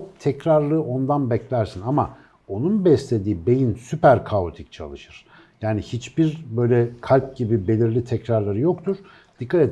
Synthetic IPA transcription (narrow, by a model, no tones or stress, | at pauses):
t̪ʰɛcɾaɾlˠɯo̞nd̪anbɛclʲæɾsinama̰ | o̞nunbɛslʲe̞d̪iːbe̞jinsypæɾkʰaot̪ʰic̚t͡ʃʰa̰lˠɯʃɯɾ̥ | jaːnihit͡ʃbiɾbø̞jlʲɛkʰalʲp̚ɟibibe̞lʲiɾlʲit̪ʰɛcɾaɾlˠaɾɯjo̞kt̪ʰuɾ̥ | d̪̥ikʰːat̪ɛ